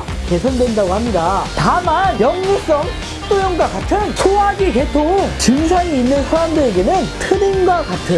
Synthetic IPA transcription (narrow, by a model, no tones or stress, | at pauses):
ke̞sʰʌndwe̞ndaɡohamɲidatamanjʌŋɲus͈ʌŋt͡ɕ̚ʰ | t͈ojʌŋɡwakatʰɯnsʰoɦaɡike̞tʰoŋt͡ɕɯns̬ʰaeinːɯnsʰaamdɯɾe̞ɡe̞nɯntʰɯninɡwakatʰɯ